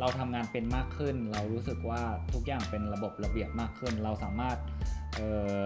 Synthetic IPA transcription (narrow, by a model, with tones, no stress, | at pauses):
ɾa˧wt̪ʰa˧mŋaː˧npe˧nmaː˥˩kʰːɯ˥˩nɾa˧wɾuː˦˥sɯ˨˩k̚waː˥˩t̪ʰu˦˥k̚jaː˨˩ŋpe˧nɾa˧bo˨˩p̚ɾa˧bi˨˩əp̚maː˥˩kʰːɯ˥˩nɾa˧wsaː˩˦maː˥˩t̪̚ʔɤː˨˩˨